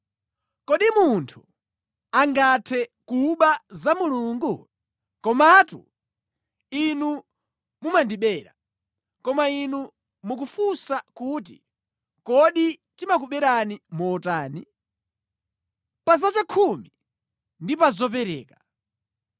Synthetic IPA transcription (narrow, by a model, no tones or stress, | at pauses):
kɔɗimuntʰu̥ | aŋɡatʰɛkuɓazamuluːŋɡu | kɔmatṵ | inu | mumandiɓɛːɾa | kɔmainu | muk̬ufusakuːt̬ḭ | kɔɗitimak̬uɓɛɾanimɔtaːni | pazat͡ʃakʰumi | ndipazɔp̬ɛɾɛ̰ːka